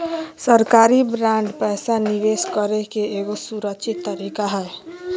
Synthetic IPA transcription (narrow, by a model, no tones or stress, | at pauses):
səɾkaːɾibɾãːɳɖpɛːsaniʋeːskəɾekeeɡosuɾəkʃʰɪt̪ːəɾikaɦɛː